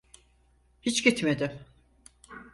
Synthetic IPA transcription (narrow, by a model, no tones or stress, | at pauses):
hit͡ʃɡit̪med̪ɪm